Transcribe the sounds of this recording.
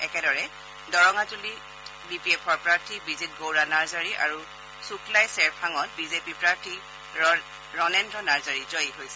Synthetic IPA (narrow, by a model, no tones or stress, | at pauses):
ɛkɛdɔɹɛ | dɔɹɔŋatuli | bipiɛpʰɔɹpɹaɹtʰibizit̚ɡowɹanaɹzaɹiʔa̰ɹu | sukʰlajsɛɹpʰaŋɔt̚bizepipɹaɹtʰi | ɹɔnɛndɹɔnaɹzaɹizojiɦojsɛ